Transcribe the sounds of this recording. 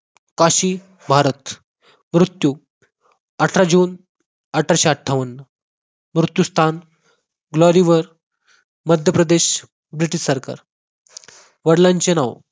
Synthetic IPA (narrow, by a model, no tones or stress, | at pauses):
kaɕi | bʱaɾət̪ | mɾut̪ju | əʈʰɾad͡ʑun | əʈʰaɾɕeaʈʰːaʋənːə | mɾut̪just̪ʰan | ɡlɔɾiʋəɾ | məd̪ʱjəpɾəd̪eɕ | bɾiʈiɕsəɾka̰ɾ | ʋəɽlãɲt͡ɕenaʋ